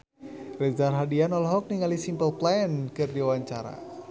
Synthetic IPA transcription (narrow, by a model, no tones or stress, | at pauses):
rɛzarɦadianɔlɦɔk̚niŋalisimpəlplankɨrdiawaɲt͡ʃaɾa̰